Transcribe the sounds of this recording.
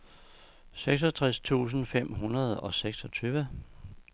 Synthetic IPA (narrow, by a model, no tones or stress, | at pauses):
seɡ̥s̬ɒt͡sʰʁast͡sʰṵːs̬n̩fem̰ɦunɐð̞̩ˠɒ̽seɡ̥sɒ̽t͡sʰyːʋə